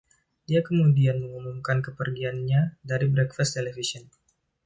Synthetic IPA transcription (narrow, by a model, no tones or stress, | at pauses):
diakəmudianməŋumumkankəpərɡianɲadaɾibɾɛkfast̪elɛfisɔn